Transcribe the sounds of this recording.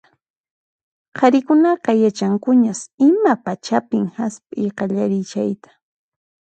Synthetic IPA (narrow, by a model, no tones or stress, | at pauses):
qʰɑɾɪkʊnɑqɑjat͡ʃaŋkʊɲasɪmapat͡ʃapɪŋhaspʼɪjqɑʎaɾɪt͡ʃajt̪ḁ